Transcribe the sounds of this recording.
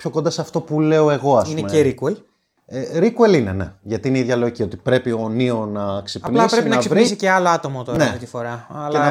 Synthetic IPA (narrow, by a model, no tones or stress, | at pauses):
pço̞ko̞nd̪ɐsɐft̪o̞pule̞o̞e̞ɣo̞ɐsineumeeɾikuel | eɾikuelinene̞̰ʝɐt̪iineiðʝɐle̞ocio̞t̪i̥pɾe̞pio̞nio̞nɐksepɐnlisɾeinɐɐsivnisiceɐloɐt̪o̞mot̪oɾɐnɐeot̪ifo̞ɾɐɐleɐ